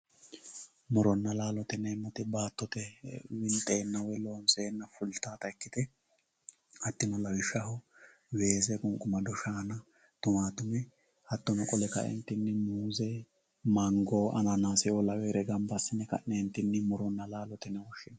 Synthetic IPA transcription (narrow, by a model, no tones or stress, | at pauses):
mɔɾɔnːɐlaːlɔt̪ɛnɛːmːɔt̪ɪbaːt̪ːɔt̪ɛwɪnt̪ʼeːnːɐwɛloːnseːnːɐfʊlt̪aːt̪ɐɛkːɪt̪ɛ | hɐt̪ːɪnɔlɐwɪʃɐhʊ | we̞ːsɛkʼʊŋkʼːʊmɐd̪ɔʃaːnɐ | t̪ʊmaːt̪ʊmɛ | hɐt̪ːɔnɔkʼɔlɛkɐ̰ʔɛ̰nt̪ːɪnːɪmuːzɛ | mɐŋɡoːʔɐ̰nɐnaːsɪolɐweːɾɛɡɐmbɐsːɪnːɛkɐ̰ʔnɛnt̪ːɪnːɪmɔɾɔnːɐlaːlɔt̪ɛnɛwɔʃːɪnɐ